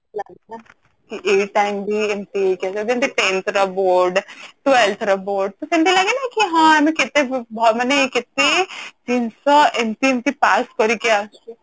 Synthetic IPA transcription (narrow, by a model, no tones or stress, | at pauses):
laːɡena | kiʔeʈaɪmbʱiemt̪iekasɔd̪emt̪iʈẽːnt̪ɾaboːɾɖʈ̪ʋelt̪ʰɾɐboːɾɖ̚t̪osemt̪ilaɡenakiɦãemekɪt̪ebʱamɐnekɪt̪ːed͡ʒinsəemt̪iemt̪ipaːskɔɾikiasi